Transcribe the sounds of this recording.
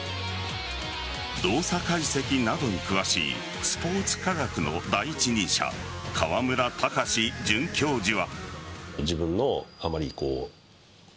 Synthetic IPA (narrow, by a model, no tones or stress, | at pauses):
d̪o̞ːsakaise̞kʲinad̪o̞ɲ̟ikɯ̟βaɕḭː | sɨ̥po̞ːt͡sɨ̥kaɾakɯ̟no̞̰d̪aiːt͡ɕiɲ̟ĩɰɕa̰ | kʰaβamɯ̟ɾat̪ʰakaɕid͡ʑɨ̃ŋkʲo̞ːd͡ʑiβa | d͡ʑibɯ̟̃nːo̞amaɾʲiko̰ː